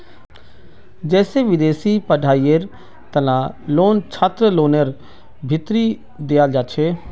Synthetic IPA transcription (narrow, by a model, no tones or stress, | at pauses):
d͡ʒɛːseːʋɪd̪eːsiːpəɖʱaːiːeɾ | t̪ənaːloːnt͡ʃʰaːt̪ɾəloːnəɾ | bʱɪt̪ɾiː | d̪eaːd͡ʒaːt͡ʃʰeː